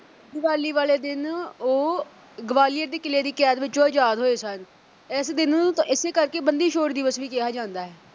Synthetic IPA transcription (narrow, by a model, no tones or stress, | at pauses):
ɡəʋaːliːʋaːleːd̪ɪnoː | ɡəʋaːlɪjəɾd̪eːkɪleːd̪iːkɛːt̪ʋɪt͡ʃõːaːd͡ʒaːd̪ɦoːeːsən | ɛːsd̪ɪnɪseːkəɾkeːbənd̪iːʃoːɾd̪iːʋəsʋiːkɪɦaːd͡ʒãːnd̪aːɦɛː